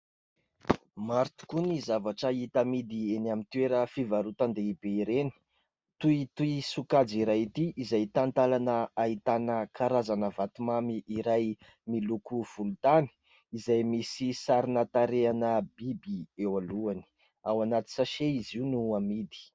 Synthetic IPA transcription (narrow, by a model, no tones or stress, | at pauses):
maɾt̪u̥kunizavaʈ͡ʂəit̪amid̪ienamint̪ueɾəfivaɾut̪and̪eibeiɾeni̥ | t̪uit̪uisukad͡ziɾajit̪iʔizajt̪ant̪alanəait̪anəkʰaɾazanəvat̪umamiiɾaj | milukuv̥ulut̪ani̥ | izajmisisaɾinat̪aɾeanəbibiewaluani̥ | awanat̪i̥saʃeiziunuamid̪i̥